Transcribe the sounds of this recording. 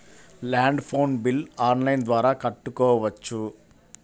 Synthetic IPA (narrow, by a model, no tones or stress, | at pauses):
laːɳɖpʰoːnbilaːnlɐjnd̪ʋaːɾaːkɐʈːukɔːʋɐʋɐt͡ʃːu